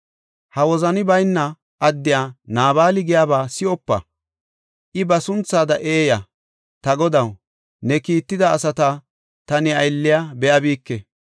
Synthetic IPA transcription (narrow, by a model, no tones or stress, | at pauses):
hɐwɔzɐnɪbɐjnːɐ | ʔːd̪ːɪjaːnaːβaːlɪɡɪjaːbaːsɪɔpːɐ̰ | ʔɪbɐsʊnt͡sːaːd̪ɐʔeːjɐ | t̪ɐɡɔd̪ɐw | nɛkiːt̪ːɪd̪ɐːsɐt̪a | t̪ɐnɪɐjlːɪjaːbɛjɐbiːkːɛ